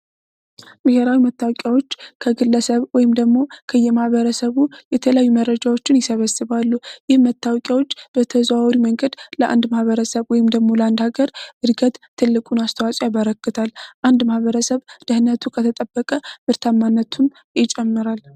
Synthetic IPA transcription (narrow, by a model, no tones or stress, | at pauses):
bɨheɾawimət̪ːawɔkʼjawo̞t͡ʃːkʰəɡɨlːəsəβwɔjɪmd̪əɡmo̞kʰəjɛmahβəɾəsəβujɛt̪ʰələjajːumərːəd͡ʒawo̞t͡ʃːɪnjɪsəβəsːɨβalːujɪhmət̪ːawɔkʼjawo̞t͡ʃːb̥ət̪ʰəzwaɾiməŋɡəd̪ləʔa̰nd̪mahβəɾəsəβwɔjɪmd̪əɡmo̞ləand̪haɡəɾʔɨɾɡət̪ʰːɨlːɨkʼunast̪ʰəwasʼjaβəɾəkːɨt̪ʰalʔand̪mahβəɾəsəβd̪̥əhnət̪ʰukʰət̪ʰət̪ʼəbːəkʼəmɨɾt̪ʰamːanːət̪ʰum | jɪt͡ʃʼɛmːɨɾal